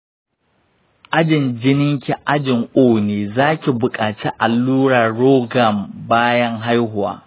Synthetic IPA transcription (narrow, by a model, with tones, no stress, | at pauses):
ʔa˦d͡ʒɪ˨nd͡ʒɪ˦nɪ˦ŋkʲi˨ʔa˦d͡ʒɪ˨ŋʔoː˦˨neː˨zaː˦kʲi˨bʊ˨kʼaː˨t͡ʃi˦ʔa˨lːuː˦ɽaː˨ɽoː˦ɡa˨mbaː˦jɐ˦ŋɦa˦jɦʊ˨wa̰ː˦